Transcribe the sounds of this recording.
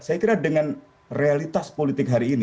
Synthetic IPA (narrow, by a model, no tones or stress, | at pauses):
sajakiɾadəŋan | realit̪aspolit̪ɪkɦaɾiːni